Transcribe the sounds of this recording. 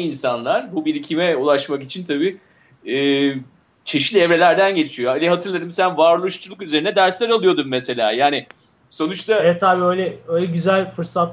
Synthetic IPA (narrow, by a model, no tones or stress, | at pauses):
insanlˠaɾ̥bubiɾicʰimɛulˠaʃmakit͡ʃʰint̪ʰabiː | ɯː | t͡ʃʰeʃi̥lʲɛvɾe̞lʲæɾd̪ænɟe̞t͡ʃʰijoalʲɛɦat̪ʰɯɾlˠad̪ɯmsænvaːɾlˠuʃt͡ʃʰulˠukyze̞ɾinɛd̪æɾslʲæɾalˠɯjo̞d̪umːese̞lʲa̰ːjaːnɪ | so̞nut͡ʃt̪ʰaɛt̪ʰabiːøjlʲɛøjlʲɛɟyzælʲfɯɾsat̪